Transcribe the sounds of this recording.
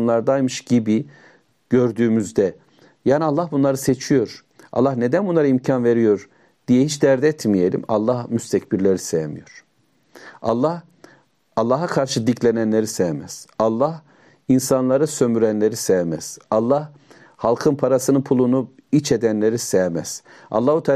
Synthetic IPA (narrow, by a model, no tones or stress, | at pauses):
nlˠaɾd̪ajmɯʃɟ̥ibi | ɟ̥ø̞ɾd̪yːmyzd̪ɛ | jaːnialˠːahbunlˠaɾɯse̞t͡ʃʰijo̞ɾ | ʔa̰lˠːahne̞d̪ænbunlˠaɾaimcʰanve̞ɾijo̞ɾ | d̪̥ijɛhit͡ʃd̪æɾd̪ɛt̪mijelʲḭma̰lˠːahmyst̪ʰɛcbiɾlʲeɾisejemḭjo̞ɾ̥ | a̰lˠːah | alˠːaɦakʰaɾʃɯd̪icʰlʲenænlʲeɾisejmɛz̥ɑlˠːah | insanlˠaɾɯsømyɾænlʲe̞ɾisemɛz̥ɑlˠːah | halˠkʰɯnpʰaɾasɯnɯpʰulˠunu | it͡ʃʰed̪ænlʲeɾisejmɛz̥ | ɑ̰lˠːaːhut̪ʰa